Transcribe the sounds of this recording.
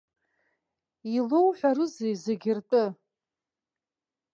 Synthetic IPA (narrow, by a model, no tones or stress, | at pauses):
ilowħʷᶣaɾɨzejzeɡʲɪrtʼɨ